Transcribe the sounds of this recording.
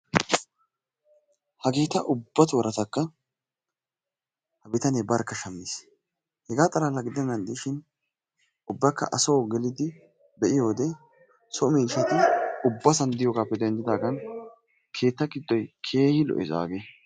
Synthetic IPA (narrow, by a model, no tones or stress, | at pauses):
hɐɡe̞ːt̪ːɐʔʊbːɐt̪wɔɾɐt̪ɐkːɐ | hɐbɪt̪ɐnebɐɾkːɐʃɐmːɪs | hɛɡaːt̪ʼɐlaːlɐɡɪd̪ɛnːɐnd̪ɪʃɪn | ʊbːɐkːɐ̰ʔɐso̞ːɡɛlɪd̪ɪ | bɛʔɪjo̞ːd̪ɛ | sɔmiːʃɐt̪ɪʊbːɐsɐnd̪ɪjoːɡaːpːɛd̪ɛnd͡ʒɪd̪aːɡɐn | kʰe̞ːt̪ːɐɡɪd̪ːɔjkʰe̞ːhɪlɔ̰ʔɪza̰ːɡe